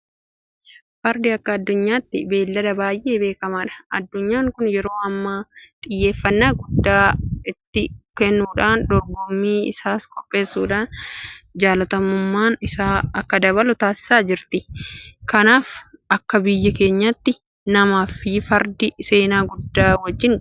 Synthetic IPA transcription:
fɐɾd̪ɪɐkːɐːd̪ːʊɲːaːt̪ːɪbe̞ːlːɐd̪ɐbaːjʔe̞ːbe̞ːkɐmaːᶑɐ̥ʔɐd̪ːʊɲːaːŋkʊnjɛɾo̞ːɐmːat̪ʼɪjːe̞ːfːɐnːaːɡʊd̪ːaːɪt̪ːɪkɛnːuːᶑaːnd̪ɔɾbɔmːiːɪ̰saːskʼɔpʼːe̞ːsːuːᶑaːnd͡ʒaːlɐt̪ɐmʊmːaːnɪsaːɐkːɐd̪ɐβɐlʊt̪aːsɪ̥saːd͡ʒɪɾt̪ɪkɐnaːfɐkːɐbɪjːɐke̞ːɲːɐt̪ːɪ | nɐmaːfɪfɐɾd̪ɪse̞ːnaːɡʊd̪ːaːwɐd͡ʒːɪn

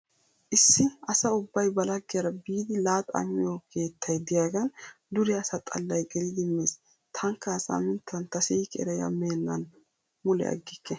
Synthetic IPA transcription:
ʔɪsːɪɐsɐʊbːɐjbɐlɐɡːɪjɐɾɐbiːd̪ɪlaːt̪ɐ̰mːɪjokʰe̞ːt̪ʰːɐjd̪ɪjaːɡɐnd̪ʊɾɪɐsɐt̪ʼɐ̰lːɐjɡɛlɪd̪ɪmːeːs | t̪ʰɐŋkːɐːsa̰mɪnt̪ʰːɐnt̪ɐsiːkɛ̰ɾɐjɐ̰meːnːɐn | mʊlɛ̰ɐ̰ɡːɪkːɛ

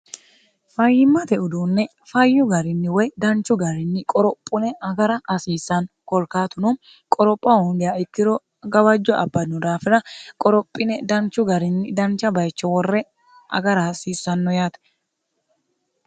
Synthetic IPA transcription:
fɐjɪmːɐt̪ɛʔʊd̪uːnːɛ | fɐjːʊɡɐɾɪnːɪwɔjd̪ɐnt͡ʃːʊɡɐɾɪnːɪkʼɔɾɔpʼːʊnɛʔɐɡɐɾɐhɐsiːsːɐn | kɔlkaːt̪ʊnʊ | kʼɔɾɔpʼːɐhɔŋɡ̪ɛjaɪt̪ːɪd̪ɔ | ɡɐbɐd͡ʒːɔʔɐ̰bːɐnʊd̪aːfɪɾɐkʼɔɾɔpʼːɪnɛd̪ɐnt͡ʃːʊɡɐɾɪnːɪd̪ɐnt͡ʃːɐbɐjt͡ʃːɔwɔrːɛ | ɐ̰ɡɐɾɐhɐsiːsːɐnːɔjaːt̪ɛ̥

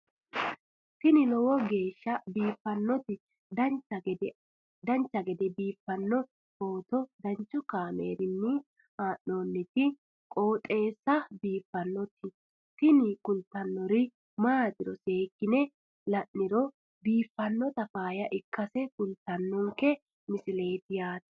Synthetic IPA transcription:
t̪ɪnɪlɔwɔɡe̞ːʃːɐbiːfːɐnːɔt̪ɪ | d̪ɐnt͡ʃːɐɛd̪ɛ | d̪ɐnt͡ʃːɐɡɛd̪ɛbiːfːɐnːɔ | foːt̪ɔd̪ɐɲt͡ʃːʊkaːmḛːɾɪnːɪ | maːʔːo̞ːnːɛt̪ɪ | kʼo̞ːt̪ʼe̞ːsːɐbiːfːɐnːɔt̪ɪ | t̪ɪnɪkʊlt̪ːɐnːɔɾɪ | maːd̪ɪɾɔseːkːɪnɛ | lɐʔːɪɾɔ | biːfːɐnːɔt̪ɐfaːjɐʔɪkːɐsɛkʊlt̪ːɐnːɔŋkːɛ | mɪsɪle̞ːt̪ɪjaːt̪ɐ̥

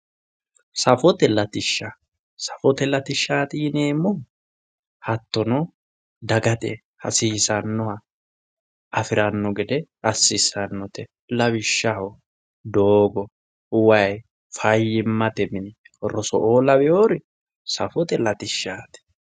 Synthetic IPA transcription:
sɐfɔt̪ɛlɐt̪ɪʃːa | sɐfɔt̪ɛlɐt̪ɪʃːaːt̪ɪneːmːɔ | hɐt̪ːɔnɔ | d̪ɐɡɐt̪ɛ | hɐ̰siːsɐnːɔhɐ | ɐfɪɾɐnːɔɡɛd̪ɛ | ɐsːɪsɐnːɔt̪ɛ | lɐbɪʃːɐhɔ | d̪oːɡɔ | ʊwɐj | fɐjɪmːɐt̪ɛmɪnɪ | ɾɔsɔ̰ʔoːlɐbɛjoːɾɪ | sɐfɔt̪ɛlɐt̪ɪʃːaːt̪ɪ̥

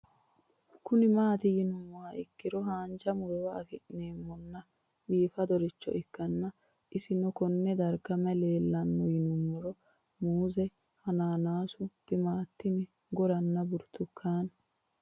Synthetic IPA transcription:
kʊnɪmaːt̪ɪjɪnʊmːɔwaʔɪkːɪɾɔɦaːnd͡ʒɐmʊɾɔwɐɐkɪᶑneːmːɔnːɐ | biːfɐd̪ɔɾɪt͡ʃːɔ̰ʔɪkːɐnːɐ | ʔɪsɪnɔkɔnːɛd̪ɐɾɡɐmɐle̞ːlːɐnːɔjɪnʊmːɔɾɔ | muːzɛ | hɐnaːnaːsʊt̪ɪmaːt̪ːɪnɪ | ɡɔɾɐnːɐbʊɾt̪ʊkʰːaːn

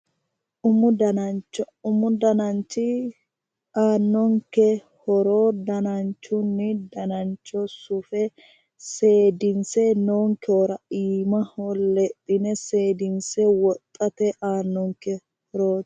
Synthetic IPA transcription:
ʊmʊd̪ɐnɐt͡ʃɔ | ʊmʊd̪ɐnɐnt͡ʃːɪ | aːnːɔŋkɛ | hɔɾoːd̪ɐnɐnt͡ʃːʊnːɪd̪ɐnɐnt͡ʃːɔsʊfɛ | se̞ːd̪ɪnsɛnoːŋkɛoːɾɐʔiːmɐholːɛt̪ʼːɪnɛse̞ːd̪ɪnsɛwɔt̪ʼːɐt̪ɛʔaːnːɔŋkɛ | hɔɾoː

